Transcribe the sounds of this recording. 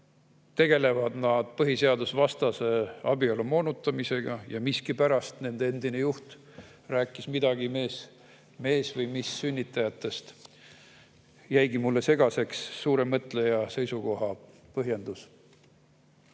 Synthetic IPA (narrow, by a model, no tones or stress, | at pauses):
t̪e̞ɡ̥e̞le̞vɑd̪nɑd̪̥pɤɦise̞ɑd̪usvɑst̪ɑse̞ɑbiolumo̞ːnut̪ːˑɑmise̞ɡ̥ɑjɑmiskipæɾɑst̪ne̞nd̪̥ee̞nd̪̥ine̞juht̪ | ræːkːˑismid̪ɑɡ̥ime̞ːs | me̞ːsvɤjmisːynʲːit̪ːˑɑjɑt̪ːˑe̞st̪ | jæjɡimulːe̞se̞ɡ̥ɑse̞ksːuːɾe̞mɤt̪ˑle̞jɑse̞jsuɡo̞ɦɑ | pɤɦje̞nd̪̥us